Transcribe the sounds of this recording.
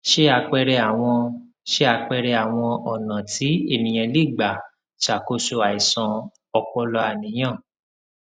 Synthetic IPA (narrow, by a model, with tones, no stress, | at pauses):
ʃe˦a˧k͡pɛ˧ɾɛ˧a˨w̃ɔ̃˧ | ʃe˦a˧k͡pɛ˧ɾɛ˧a˨w̃ɔ̃˧ɔ˨nã˨tʰi˨˦e˦˨nĩ˨j̃ɛ̃˧li˦˨ɡ͡ba˨ | ʃa˨ko˧so˧a˨i˨sã˧ | ɔ˧k͡pɔ˧lɔ˧a˨nĩ˨˦j̃ã˦˨